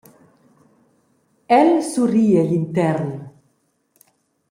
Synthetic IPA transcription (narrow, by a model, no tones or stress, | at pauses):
ɛlsurielint̪ɛɾn